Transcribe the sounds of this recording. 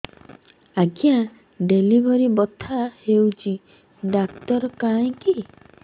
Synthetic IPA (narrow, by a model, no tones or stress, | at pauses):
aɡja | ɖelibɔɾibɔt̪ʰahewt͡ʃi | ɖakt̪ɔɾɔkaj̃ki